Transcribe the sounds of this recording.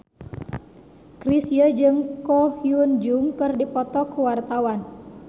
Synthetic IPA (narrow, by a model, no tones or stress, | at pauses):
kɾisjəd͡ʒɨŋkɔhjund͡ʒuŋkɨrdipɔt̪ɔkuwart̪awan